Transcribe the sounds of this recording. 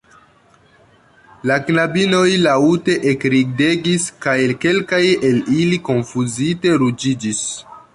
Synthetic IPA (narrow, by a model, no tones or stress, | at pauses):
laknabino̞jlaute̞ʔekɾiɡ̚de̞ɡiskajke̞lkajeliliko̞nfuzite̞ɾud͡ʒid͡ʒis